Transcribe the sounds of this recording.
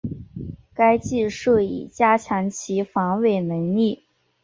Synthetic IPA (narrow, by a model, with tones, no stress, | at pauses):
ka˥ɪt͡ɕi˥˧ʂɤ˥˩ḭ˨˩t͡ɕja˥t͡ɕʰjɑ˧˥ŋt͡ɕʰi˧˥fɑ˧˥ŋwe˥˩ɪnə˧˥ŋli˥˩